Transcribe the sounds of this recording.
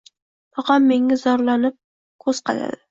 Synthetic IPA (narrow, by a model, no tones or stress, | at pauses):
pʰɒqɑmːe̞ŋazɒɾlanɪp̚ | kʰɵz̥qʰɑ̰la̰d̪ɪ